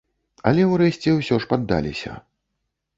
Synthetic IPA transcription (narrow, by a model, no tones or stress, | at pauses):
ɐ̰lʲɛwrɛsʲt͡sʲɛwsʲɔʂpad̪ːa̰lʲisʲɐ̰